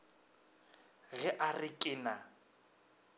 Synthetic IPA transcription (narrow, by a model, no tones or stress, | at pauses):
ɣɛʔarɪkʼɪna